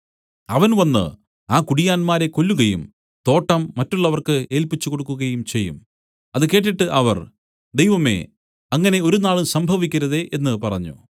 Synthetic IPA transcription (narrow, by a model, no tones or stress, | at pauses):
ɐʋɐnʋɐnːɨ̰ | aːkuɽijaːnmaːɾe̞ko̞lːuɣɐjum | t̪o̞ːʈːɐmːɐtːuɭːɐʋɐrkɨe̞ːlpit͡ɕːukoɽukːuɣɐjumt͡ɕe̞jːṵm | ɐðɨke̞ːʈ̬ːiʈːɨʔɐʋɐ̰r | d̪e̞jʋɐme̞̰ː | ɐŋːɐne̞o̞ɾunaːɭusɐmbʱɐʋikʲːɐɾɐðe̞ʔenːɨpɐrɐɲːṵ